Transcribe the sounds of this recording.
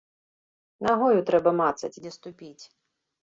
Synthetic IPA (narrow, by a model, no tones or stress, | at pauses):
naɣɔjut̪ɾɛbɐmat̪sɐt͡sʲdʲɛst̪ʊpʲit͡sʲ